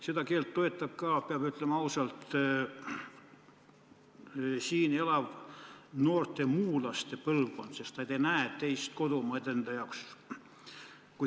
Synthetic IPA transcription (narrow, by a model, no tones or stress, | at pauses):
sed̪ɑkeːlt̪ːoet̪ˑːɑb̥̚kɑːpeɑb̥yt̪ːlemɑɑusɑlt̪ | siːnelɑʋnoːrt̪ˑemuːlɑst̪epɤlvkont̪sest̪ɑjt̪enæet̪eist̪̚ko̞d̪omɑed̪end̪ɑjɑks | ku